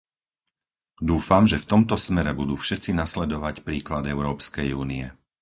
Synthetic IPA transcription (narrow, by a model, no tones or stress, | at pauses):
d̪uːfamʒɛft̪ɔmt̪ɔsmɛɾɛbud̪uːfʃɛt̪t͡sinaslɛd̪ɔʋacpɾiːklad̪ɛʊɾɔːpskɛjuːniɛ